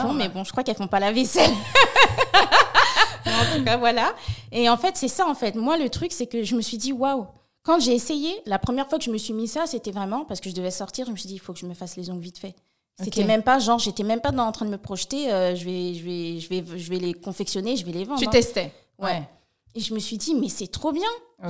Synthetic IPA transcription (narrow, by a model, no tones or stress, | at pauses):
bɔ̃mɛbɔ̃ʒə̥kχwakɛlfɔ̃palavesɛl | mɛɑ̃t̪ukavwalaeɑ̃fɛt̪sɛsaɑ̃fɛt̪mwalət̪χyksɛkəʒəməsɥid̪iwaw | kɑ̃ʒeːsejelapχəmjɛʁfwakəʒəməsɥimisaset̪ɛvʁɛmɑ̃pasə̥kəʒəd̪əvɛsɔʁt̪iʁʒəməsɥid̪ifokəʒəməfaslezɔ̃ɡvit̪fɛ | setk̪ɛmɛ̃mpaʒɑ̃ʁʒet̪ɛmɛ̃mpad̪ɑ̃ɑ̃t̪χɛ̃d̪əməpχɔʃt̪eøʒəvɛʒəvɛʒəvɛʒəvɛlekɔ̃fɛksjɔneʒəvɛlevɑ̃d̪yʁt̪ɛst̪ɛ | wɛ | eʒəməsɥid̪imɛsɛt̪χobjɛ̃